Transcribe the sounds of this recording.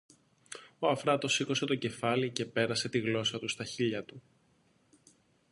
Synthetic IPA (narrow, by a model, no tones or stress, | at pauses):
o̞ɐfɾɐt̪o̞sikose̞t̪o̞ce̞fɐlice̞pe̞ɾɐse̞t̪iɣlo̞sɐt̪ust̪ɐçiʎɐt̪u